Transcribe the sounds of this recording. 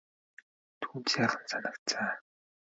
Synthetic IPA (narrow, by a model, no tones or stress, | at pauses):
t̪ʰuːnt͡ɕaːχə̆nsanə̆kt͡sʰaː